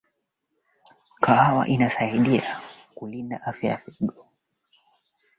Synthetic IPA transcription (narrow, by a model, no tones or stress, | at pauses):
kʰaawa̰ʔinasaiɗiakulindaʔafjaja̰fɛɡɔ